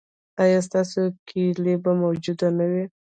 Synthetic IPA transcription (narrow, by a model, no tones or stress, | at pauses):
ɑjɑs̬t̪ɑsokʰilebamawd͡ʒud̪anawi